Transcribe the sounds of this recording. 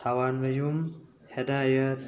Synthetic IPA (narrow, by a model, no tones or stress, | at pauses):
t̪ʰawanʋɐjum | hɛd̪ajət̪